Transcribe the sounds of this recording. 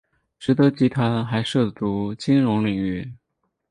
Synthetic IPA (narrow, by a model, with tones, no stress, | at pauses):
ʈ͡ʂɻ̩˨˧˥t̪ɤ˧˥t͡ɕi˧˥t̪ʰwa˧˥nxa˧˥ɪʂɤ˥˩t̪u˧˥t͡ɕi˥nɻʊ˧˥ŋli˨˩ŋy˥˩